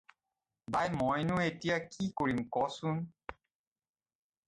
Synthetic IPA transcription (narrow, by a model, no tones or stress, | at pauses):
bajmɔjnʊetijakikoɹimkɔsʊn